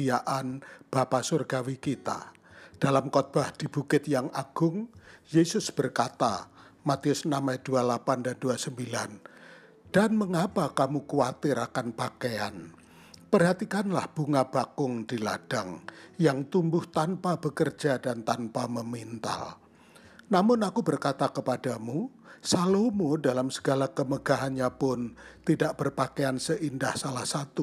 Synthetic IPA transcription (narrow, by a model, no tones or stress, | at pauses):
iaʔanb̥apasurɡawikit̪a̰ | d̥alamkɔt̪̚b̥ahd̥ibukɪt̪̚jaŋʔaɡ̥ʊŋjesʊsb̥ərkat̪a̰mat̪iʊsnamajdualapandanduasəmbilan | d̥anməŋapakamukuat̪ɪɾakanpakea̰n | pərɦat̪ikanlahb̥uŋabakʊŋdila̰d̥aŋjaŋt̪umbʊht̪anpabəkərd͡ʒadant̪anpaməmint̪a̰l | namʊnakubərkat̪akəpadamusalomodalamsə̥ɡalakəməɡaɦanɲapʊnt̪idaʔb̥ərpakeansəʔindahsalahsat̪u